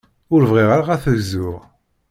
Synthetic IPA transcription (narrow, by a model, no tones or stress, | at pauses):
ʊɾvʁiʁaɾaʁæθəvzʊʁ